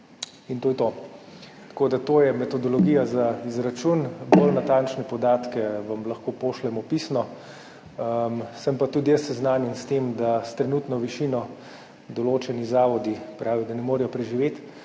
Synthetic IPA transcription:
int̪oːjɛt̪o | t̪koːd̪at̪oːjɛmɛt̪ɔd̪ɔlɔɡiːjazaizɾat͡ʃunbolnat̪ant͡ʃnɛpɔd̪aːt̪kɛʋamlɐxkoːpoːʃlɛmɔpiːsnɔ | msəmpat̪uːd̪ijəsɛznaːnjɛnst̪emd̪ast̪ɾɛnut̪nɔʋiʃiːnɔ | d̪ɔloːt͡ʃɛnizaːʋɔd̪ipɾʔaːʋid̪anɛmoːɾijɔpɾɛʒiʋeːt̪

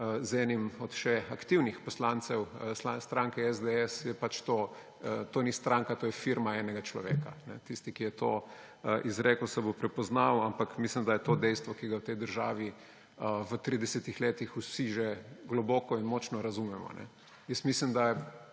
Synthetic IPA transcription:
əzɛːnimɔt̪ʃɛakt̪iwnixpɔslaːnt̪sɛwəslast̪ɾaŋkɛɛzd̪eɛsjɛpat͡ʃt̪o | ət̪oːnist̪ɾaŋkat̪oːjɛfiɾmaɛːnɛɡat͡ʃlɔ̰ʋḛːkanɛ̰t̪ist̪ikijɛt̪o | əʔizɾeːkəwsɛbopɾɛpɔznawampakmislimd̪ajɛt̪oːd̪ɛjst̪ʋɔkiɡawt̪ɛjd̪əɾʒaːʋi | əʋət̪ɾiːd̪ɛsɛt̪ixleːt̪ixusiʒeɡlɔbɔːkɔinmɔt͡ʃnɔɾɐzumɛmɔ̰nɛ̰ | jəsmislimd̪ajɛ

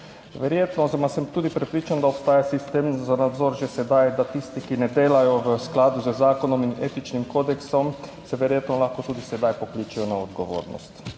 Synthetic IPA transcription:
ʋɛɾjeːt̪nɔzɛmasɛmt̪uːd̪ipɾɛpɾiːt͡ʃand̪aopst̪aːjasist̪eːmzanad̪zoɾʒɛsɛd̪ajd̪at̪ist̪ikinɛd̪eːlajɔʋəsklaːd̪uzəzaːkɔnɔmineːt̪it͡ʃnimkoːd̪ɛksɔmsɛʋɛɾjeːt̪nɔlaxkɔt̪uːd̪isɛd̪ajpokliːt͡ʃijɔnaɔd̪ɡoʋo̰ːɾnɔ̰st̪

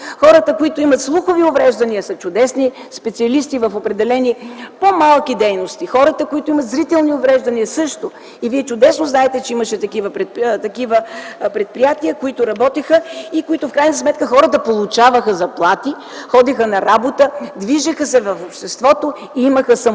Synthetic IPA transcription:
xɔɾət̪əkoit̪ʊimɐt̪slˠuxoviʊvɾɛʒd̪ɐniəsɐt͡ʃʊd̪ɛsnispɛt̪siɐlist̪ivɐfopɾɛd̪ɛlɛnipomalˠkid̪ɛjnost̪ixɔɾət̪əkoit̪oʊimɐt̪zɾit̪ɛlˠniʊvɾɛʒd̪ɐniəsɤʃt̪o | iviɛt͡ʃʊd̪ɛsnoʊznaɛt̪ɛt͡ʃɛiməʃɛt̪ɐkivəpɾɛt̪ɐkivəpɾɛt̪̚pɾijat̪iəkoit̪ʊɾɐbɔt̪ixəikoit̪ʊfkɾajnəsmɛt̪kəxɔɾət̪əpolˠut͡ʃavəxəzɐplˠat̪i | xɔd̪ixənɐɾabot̪əd̪viʒəxəsɛvɐfopʃt̪ɛst̪vɔt̪o | iiməxəsɐ

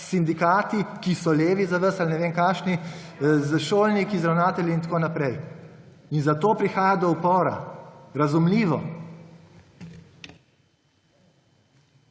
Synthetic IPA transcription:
sind̪ikaːt̪ikisɔleːʋizaʋəɾsalnɛʋeːnkaʃnizəʃoːlnikizɾawnaːt̪ɛljiːnt̪koːnapɾɛj | inzat̪oːpɾixaːjad̪ɔupɔːɾa̰ɾazumliːʋɔ

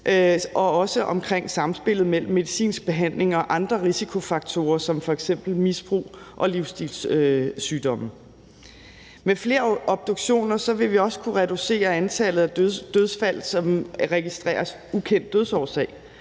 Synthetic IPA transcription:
ʔʔɒ̽ɒ̽səʔɒ̽mkʰʁeŋ̰sɑ̈msb̥e̝l̰ð̞̩ˠmel̰m̩ːe̝ðˠisḭːnsb̥e̝ɦæn̰le̝ŋɒ̽ʔɑ̈nd̥ʁɐʁisikʰo̝fɑ̈ɡ̥̚t͡sʰo̝̰ːɐsɒ̽mfɒ̽eɡ̥sem̰b̥l̩misb̥ʁṵːʔɒ̽liʊsd̥ilsøsyːd̥ɒ̽mə | mefle̝ːɐʔɒ̽b̥̚d̥o̝ɡ̥ɕo̝̰ːnɐsɒ̽ʋe̝ʋiɒ̽sə̥kʰuʁɛd̥use̝̰ːɐænt͡sʰɛlð̞̩ˠæd̥øð̞ˠsfæl̰̩sɒ̽mʁɛɡ̥isd̥ʁɛ̰ːɐs | ukʰen̰d̥ːøð̞ˠsɒːsɛ̰ɪ̰

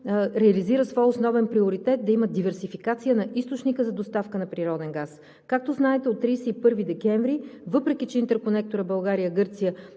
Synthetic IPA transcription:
ɾɛɐliziɾəsvɔjosnɔvɛnpɾioɾit̪ɛt̪̚d̪ɐiməd̪ivɛɾsifikat̪sijənɐʔist̪ot͡ʃnikəzɐd̪ost̪afkənɐpɾiɾɔd̪ɛnɡas | kak̚t̪oznaɛt̪ɛot̪ːɾiːsɛipɤɾvid̪ɛkɛɱvɾivɤpɾɛk̟it͡ʃɛint̪ɛɾkonɛk̚t̪oɾəbɐlˠɡaɾijəɡɤɾt̪sijə

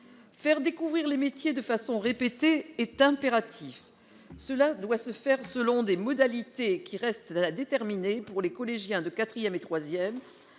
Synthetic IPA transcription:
fɛʁd̪ekuvʁiʁlemet̪jed̪əfasɔ̃ʁepet̪eːt̪ɛ̃peʁat̪ʰif | səlad̪wasəfɛʁsəlɔ̃d̪emɔd̪alit̪ekʲiʁɛst̪alad̪et̪ɛʁminepuʁlekɔleʒjɛ̃d̪əkat̪χijɛmet̪χwazjɛm

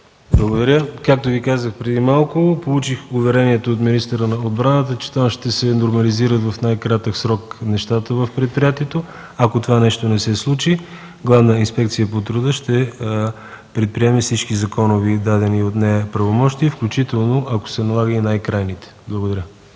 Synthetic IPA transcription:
blˠəɡod̪ɐɾʲəkak̚t̪ovikazəxpɾɛd̪imalˠkʊpolˠut͡ʃixʊvɛɾɛniɛt̪oːt̪minist̪əɾənɐod̪bɾanət̪ət͡ʃɛ̥t̪amʃt̪ɛsɛnoɾmɐliziɾət̪vɐfnajkɾat̪əksɾɔknɛʃt̪at̪əvəfpɾɛt̪̚pɾijat̪iɛt̪o | ɐkot̪ovanɛʃt̪onɛsɛslˠut͡ʃi | ɡlˠavnəinspɛk̚t̪sijəpot̪ɾʊd̪əʃt̪ɛ | pɾɛt̪̚pɾiɛmɛfsit͡ʃkizɐkɔnovid̪ad̪ɛniot̪nɛpɾɐvomɔʃt̪iəfklʲut͡ʃit̪ɛlˠnoʔɐko̥sɛnɐlˠaɡəinajkɾajnit̪ɛ̥blˠəɡod̪ɐɾʲə

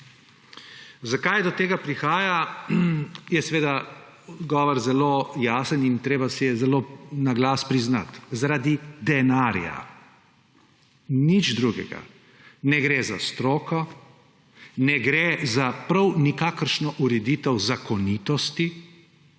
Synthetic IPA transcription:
zakajd̪ɔt̪eːɡapɾixaːja | jɛsɛʋeːd̪a | ɔɡɔːʋɔɾzɛlojaːsənint̪ɾeːbasɛjɛzɛlonaɡlaːspɾizna̰t̪zaɾaːd̪id̪ɛnaːɾja̰ | nid͡ʒd̪ɾuɡɛ̰ɡa̰ | nɛɡɾeza̰st̪ɾoːkɔ | nɛɡɾezapɾawnikaːkəɾʃnɔʔuɾɛd̪iːt̪ɛwzakɔniːt̪ɔst̪i

